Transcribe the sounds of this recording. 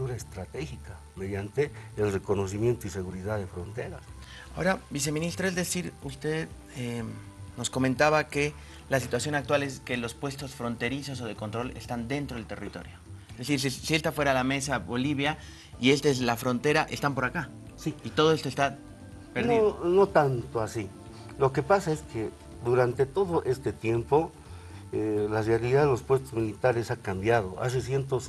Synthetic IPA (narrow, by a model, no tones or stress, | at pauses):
t̪uɾaest̪ɾat̪exika | meðjant̪eːlrekonos̬imje̞nt̪oiseɣuɾiðaðefɾont̪eɾas | aoɾabis̬e̞mĩnist̪ɾoe̞zðe̞siɾust̪e̞ð | e | no̞sko̞ment̪aβake̞ | lasit̪wasjo̞nak̚t̪wale̞ske̞lo̞spwe̞st̪o̞sfɾo̞nt̪e̞ɾiso̞s̬o̞ð̞e̞ko̞nt̪ɾo̞le̞̰st̪and̪e̞nt̪ɾoelt̪erḭt̪o̞̰ɾjo̞eezðesiɾsisie̞st̪afweɾalame̞saβoliβ̞ja | ie̞st̪aezlafɾo̞nt̪e̞ɾaʔest̪ampo̞ɾaka | siit̪o̞ð̞oest̪ost̪a | peɾðnoinot̪ant̪oasi | lo̞ke̞pasaeskʰe | d̪uɾant̪e̞t̪oðoʔe̞st̪et̪je̞mpo | elazaɾiðaðelospwe̞st̪ozmilit̪aɾesakambjað̞o̞a̰s̬esje̞nt̪os